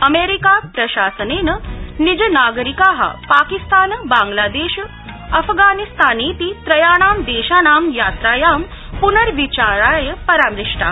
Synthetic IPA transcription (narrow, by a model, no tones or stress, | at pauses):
ɐmeːɾikaːpɾɐɕaːsəneːnənid͡ʑənaːɡəɾikaːɦa̰paːkist̪aːnbaːŋɡlaːd̪eːɕ | ɐfɡaːnist̪aːneːt̪iːt̪ɾɐjaːɽ̃aːmd̪eːʃaːnaːmjaːt̪ɾaːjaːm | punəɾʋit͡ɕaːɾaːjəpɐɾaːmɾiʂʈa̰ː